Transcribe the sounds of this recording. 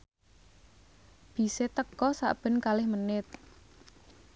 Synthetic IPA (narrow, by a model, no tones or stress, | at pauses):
b̥i̤set̪əkɔsa̰ʔb̥ə̤nkalɪhmənɪt̪̚